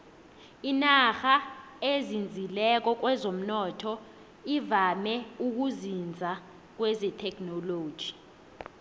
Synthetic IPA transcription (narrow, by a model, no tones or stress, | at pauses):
inaxa | ezind͡zʱilɛk̬ɔk̬wɛzom̩nɔːtʰɔ | ivamɛuk̬uzind͡zʱa | k̬wɛzɛtʰɛk̬ʼnɔloːd̥ʒ̥ʱi